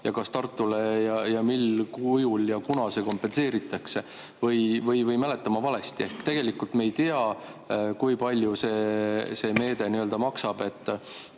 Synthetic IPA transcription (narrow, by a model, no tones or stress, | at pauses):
jɑkɑst̪ɑrt̪ːˑule̞jɑjɑmilkujuljɑkunɑse̞ko̞mpːˑe̞nse̞ːɾit̪ːˑɑkse̞ | vɤjvɤjvɤjmæle̞t̪ːˑɑmɑvɑle̞st̪ie̞hkt̪e̞ɡ̥e̞likːult̪meːjt̪eɑ | kujpɑlʲjuse̞ːse̞ːme̞ːd̪e̞niø̞ld̪ɑmɑksɑb̥e̞t̪ː